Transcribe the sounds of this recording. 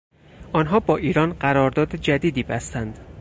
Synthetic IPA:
ʔɒːnɦɒːbɒːʔiːɾɒːnɢæɾɒːɾd̪ɒːd̪ed͡ʒæd̪iːd̪iːbæst̪ænd̪

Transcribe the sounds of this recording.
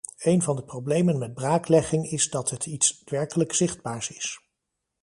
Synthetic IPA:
ejnvɑndəprowblejmənmɛd̚braːklɛχɪŋɪzdɑtɦətʰitsʋɛɹkələksɪχd̚baːɹsɪs

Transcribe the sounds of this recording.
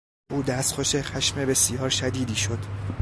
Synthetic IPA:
ʔuːd̪æst̪xoʃexæʃmebe̞sijɒːɾʃæd̪iːd̪iːʃo̞d̪̥

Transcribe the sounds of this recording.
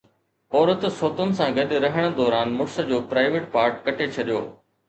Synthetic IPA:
ɔːɾət̪soːt̪ənɪ̆sãɡɐɗɾɐɦəɽ̃ə̆d̪ɔːɾaːnmʊɽsə̆d͡ʑoːpɾaːɪʋeːʈpaːɾʈ̚kɐʈʰet͡ɕʰɐɗijo̰ː

